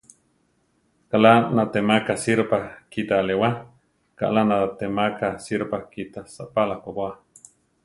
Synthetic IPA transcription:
kalanat̪emakasiɾpakit̪alewa | ka̰ʔlanat̪emakasiɾpakit̪asaʔpalakʷabwa

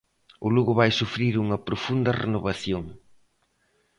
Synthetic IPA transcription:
ʊluɣʊβajsufɾiɾuŋɐpɾofund̪ɐrḛnoβaθjoŋ

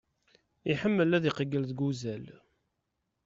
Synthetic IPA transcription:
iħəmːəlæðiqəɡːəlðɡuzæl

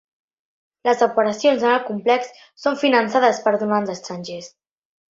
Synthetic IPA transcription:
ləzəpəɾəsionzənəlˠkumplɛksː | oɱfinənsaðəspəɾðunanzəst̪ɾanʲʒes

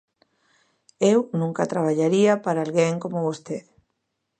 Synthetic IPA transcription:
ewnũŋkat̪ɾaβ̞aʎaɾiapaɾaːlɣeŋkomʊβost̪eð

